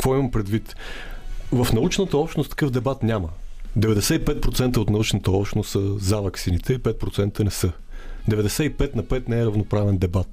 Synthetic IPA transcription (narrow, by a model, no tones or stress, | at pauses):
kvɔimɐmpɾɛd̪vit̪ | vəfnɐut͡ʃnət̪əɔpʃnost̪ɐ̥kɤfd̪ɛbat̪nʲaməd̪ɛvɛd̪ɛsɛipɛt̪̚pɾot̪sɛnt̪əot̪nɐut͡ʃnət̪əɔpʃnost̪səzavɐksinit̪ʰɛipɛt̪̚pɾot̪sɛnt̪ənɛsɤ | d̪ɛvɛd̪ɛsɛipɛt̪nɐpɛt̪nɛɛɾəvnopɾavɛnd̪ɛbat̪